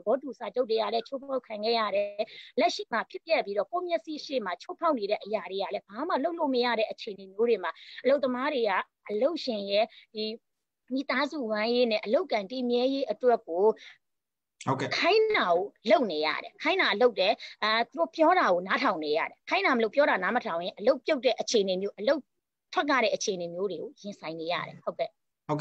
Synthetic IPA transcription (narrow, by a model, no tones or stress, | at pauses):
əbɔt̬usad͡ʑoʊʔt̬̚ːeɡa̰lɛt͡ɕʰopʰaʊkʰãŋɡɛ̰ja̰ɾɛlɛʔʃḭm̥apʰjɪp̚jɛpːiɾɔkomjɛʔsiʔʃḛmat͡ɕʰopʰaʊʔneɾɛ̰ʔəjaɾejalɛb̥ama̰loʊʔlo̰məjä̰ɾɛ̰ʔət͡ɕʰeənemjoɾemaʔəloʊt̪ːəmaɾeɡa̰ | ʔəloʊʔʃɪ̃jɛd̥i | mit̪azṵwãjenɛ̰̃ʔəloʊkːãɪ̃timjɛjeʔətwɛkːo | hkʰãɪ̃aɡoloʊʔneja̰ɾɛ̰kʰãɪ̃naloʊʔtɛt̪uɾopjɔɾaɣonatʰãʊ̃neja̰ɾɛkʰãnaməloʊpjɔɾanamətʰãʊ̃jɪ̃ʔəloʊpjoʊtɛ̰ʔət͡ɕʰeənemjoʔəloʊ | tʰwɛk̬ːa̰ɾɛ̰ʔət͡ɕʰenemjoɾeɡojɪ̃nsʰãɪ̃neja̰ɾɛ̰hoʊkɛ